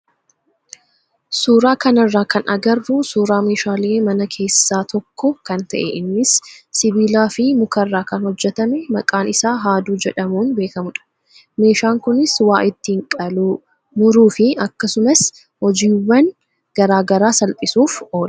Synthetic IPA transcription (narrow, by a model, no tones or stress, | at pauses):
suːɾaːkɐnɐrːaːkɐnʔɐɡɐɾbʊsuːɾaːmeːʃaːleːmɐnɐkʰe̞ːsːaːt̪ʰɔkʰːɔkɐnt̪ɐʔɛ̰ʔɪnːɪsːɪbiːlaːfɪmʊkɐrːaːkɐnhɔd͡ʒːɛt̪ɐmɛmɐkʼaːnɪsaːɦaːd̪uːd͡ʒɛᶑɐmuːnbe̞ːkɐmʊᶑɐ̥ | me̞ːʃaːŋkʊnɪswaːʔɪt̪ːiŋkʼɐlu | mʊɾuːfɪɐkːɐsʊmɐs | hɔd͡ʒiːwːɐn | ɡ̥ɐɾaːɡɐɾaːsɐlp̪ʼɪsuːfo̞ːl